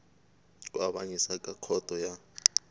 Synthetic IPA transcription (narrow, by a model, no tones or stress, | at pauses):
waɓaɲisakʼakʰɔd̥ʱɔja